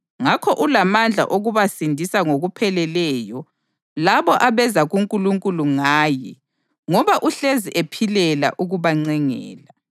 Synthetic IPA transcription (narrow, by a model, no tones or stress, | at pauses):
ŋakʰɔʔulamand͡ɮʱa̰ʔoɣuβasindʱisaŋoɣupʰɛlɛlɛjɔ | laβɔʔaβɛzaɣuŋkʼuluŋkʼuluŋaːjɛ | ŋɔβaʔuɬeziʔepʰilɛla̰ʔuɣuβaŋ͡ǀɛŋɛ̰ːla